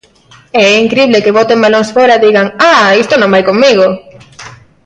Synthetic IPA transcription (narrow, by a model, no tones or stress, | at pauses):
ɛiŋkɾiβlekeβot̪eŋbaloŋsfoɾaðiɣaŋaist̪onõmbajkoŋmiɣo